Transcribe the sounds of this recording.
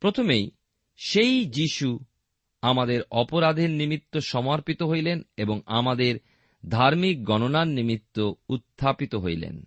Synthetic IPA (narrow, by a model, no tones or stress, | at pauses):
pɾot̪ʰomej | ʃejd͡ʑiʃu | amad̪eɾɔpoɾad̪ʱeɾnimit̪ːoʃɔmaɾpit̪oɦojleneboŋamad̪eɾ | d̪ʱaɾmik̚ɡɔnonannimit̪ːout̪ʰːapit̪oɦojlḛn